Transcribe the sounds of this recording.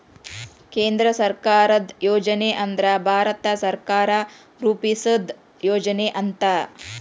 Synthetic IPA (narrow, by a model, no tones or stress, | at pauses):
keːnd̪ɾɐsɐɾkaːɾɐd̪joːd͡ʒɐneʔɐnd̪ɾɐbʱaːɾɐt̪ɐsɐɾkaːɾɐ | ɾuːpisɐd̪ | joːd͡ʒɐneʔɐnt̪ɐ